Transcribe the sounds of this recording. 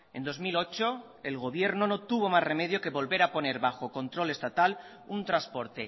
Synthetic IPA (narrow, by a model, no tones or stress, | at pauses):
e̞nd̪o̞zmilo̞t͡ʃo̞ | e̞lɣ̞o̞β̞je̞ɾno̞no̞t̪uβ̞o̞mazre̞me̞ð̞jo̞ke̞βo̞lβe̞ɾapo̞neɾβaxo̞ko̞nt̪ɾo̞le̞st̪at̪al | unt̪ɾaspo̞ɾt̪e̞